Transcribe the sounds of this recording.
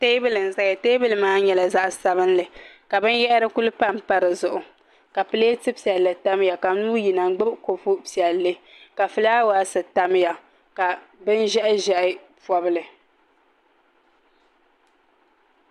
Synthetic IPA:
teː˦bɨ˦˨lɨ˨n̩˨za˦ɡa˨te˦bɨ˦lɨ˨maː˦ɲɛ˦la˨za˦ʔsa˦bɨ˦n˦lɨ˨ka˨bɨ˦njɛ˦ʔɪ˦ɾɨ˦ku˦lɨ˦pa˦˨m˨pa˦ɾɨ˨zʊ˨ʔʊ˨ | ka˨pɨ˦le˦tɨ˦pi˨ɛ˨lːɨ˨ta˦m˦ja˨ka˨˦nuː˦ji˨na˨ŋ˦ɡ͡bɨ˦bko˨pu˦pi˨ɛ˨lːɨ˦ | ka˨fɨ˦la˦waː˦sɨ˨ta˦m˦ja˨ | ka˨ | bɨ˦nʒɛ˦ʔɪ˦ʒɛ˦ʔɪ˦ | pɔ˦bɨ˦lɨ˨

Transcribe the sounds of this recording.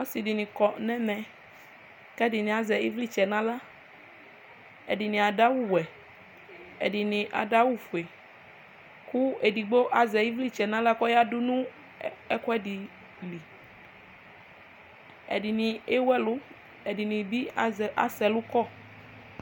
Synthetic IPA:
o˦si˨di˨nĩ˨kɔ˨nɛ̃˦mɛ̃˨ | kɛ˦di˨nĩ˨a˨zɛ˨i˦vli˦t͡ʃɛ˨nã˦la˦ | ḛ˨di˨nĩ˨a˨ɖa˦wu˦wɛ˨ | ḛ˨di˨nĩ˨ʔa̰˨da˦wu˦fu˨e˨ | ku˦e˨di˨ɡ͡bo˦ʔa˨zɛ˨ji˦vli˦t͡ʃɛ˨nã˦la˦kɔ˦ja˦du˦nũ˦ | ɛ˦kɔ˦ɛ˦di˨ | li˨ | ɛ̰˨di˨nĩ˨e˦wɛ˦lʊ˦ | ɛ˨di˨nĩ˨bi˦˨ʔa̰˨sɛ˨lʊ˦kɔ˦

